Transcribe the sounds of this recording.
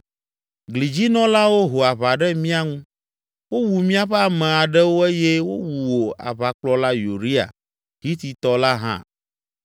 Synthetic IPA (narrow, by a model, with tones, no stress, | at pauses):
ɡli˨d͡ʑi˦nɔ̃˦la˦wo˦ɦo˨a˨βa˨ɖɛ˦mĩ˦a˦ŋũ˦ | wo˦wu˨mĩ˦a˨ɸɛ˦a˨mɛ̃˨a˨ɖɛ˦wo˦e˦je˦wo̰˦wu˨wo˨a̰˨βa˨k͡plɔ˦la˦ju˨ɾi˦a̰˨ | ɦi˦t̪i˨t̪ɔ˦la˦ɦã̰˦